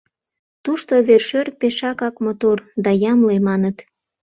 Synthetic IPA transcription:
t̪uʃt̪oβerʃørpeʃɑkɑkmot̪ord̪ɑjɑmlemɑnət̪

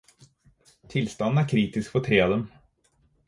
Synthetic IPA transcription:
t̪ʰɪlst̪ɑnn̩æɾkʰɾiːt̪ɪskfɔt̪ʰɾeːɑd̪ɛm

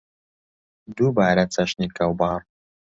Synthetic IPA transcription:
d̪ubaːɾɐt͡sɐʃnikɐwbɑːr

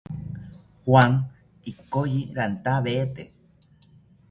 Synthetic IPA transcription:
hwaŋ | ikojiɾant̪aβeet̪e

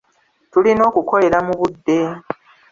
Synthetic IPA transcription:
tulino̞ːkuko̞le̞ɾamuβudːe̞

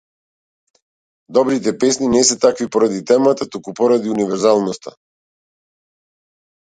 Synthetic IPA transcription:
d̪ɔbɾit̪̬ɛpɛsninɛsɛt̪akvipɔɾad̪it̪ɛmat̪at̪ukupɔɾad̪iunivɛɾzalˠnɔst̪ʰa̰

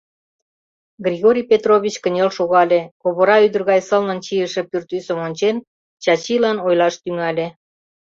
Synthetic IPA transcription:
ɡrʲiɣoɾʲijpʲet̪roβʲit͡ɕkənʲelʃoɣɑlʲekoβoɾɑyd̪ərɣɑjsə̆lnənt͡ɕijəʃĕpyrt̪ysə̆monʲt͡ɕen | t͡ɕɑt͡ɕilɑnojlɑʃt̪yŋɑlʲe

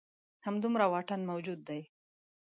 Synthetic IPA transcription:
hamd̪umɾawɑʈanmawd͡ʒud̪ːaj

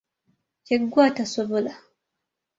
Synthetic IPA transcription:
ceɡːwaːtasoβola

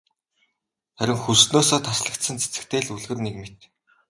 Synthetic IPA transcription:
χæɾʲɪ̆ŋxusnoːsɔːt̪ʰasɮə̆kt̪sə̆nt͡sʰe̥t͡sɘ̥̆kt̪ʰeːɮuɮɣɘ̆rnekmet̪

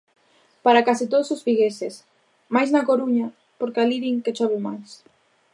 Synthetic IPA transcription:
paɾakasit̪oðososfiɣeses | majznakoɾuɲa | poɾkaliɾiŋket͡ʃoβumajs

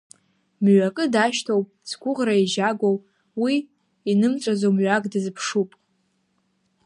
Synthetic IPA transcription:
mɥakʼɨdaʃtʰowpʼsɡʷʰʊʁraiʒaɡʷowpʼ | wi | inɨmt͡sʷʼazowmɥakʼdɨzpʰʂupʼ

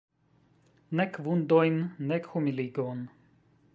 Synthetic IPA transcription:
nɛkvund̪ɔjnnɛkxumiliɡon

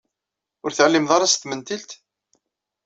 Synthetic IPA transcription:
ʊɾθəʕlːimðˤɑɾˤɑst̪mənt̪ilt̪

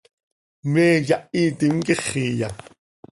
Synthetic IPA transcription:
meːjaʔiːt̪iŋkeχiːja

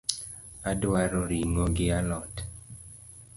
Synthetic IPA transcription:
adwaɾɔɾiŋɔɡɪalɔt

